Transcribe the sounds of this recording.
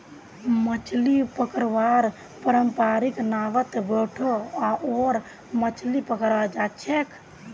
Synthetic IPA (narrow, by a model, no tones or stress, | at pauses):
mət͡ʃʰlipəkəɾʋaɾ | pəɾəmpaɾiknaːʋət̪beʈʰoaʔoːɾ | mət͡ʃʰlipəkəɾad͡ʒat͡ʃʰekʰ